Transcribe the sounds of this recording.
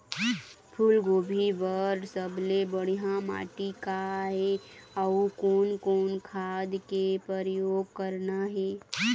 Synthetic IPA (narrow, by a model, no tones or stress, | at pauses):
pʰʊlɡoːbʱiʋəɾsəblebəɽ̤iɦãma̰ːʈikaɦɛəukoːnkoːnkʰaːd̪kepɾəɾjoːɡ̚kəɾnaɦɛː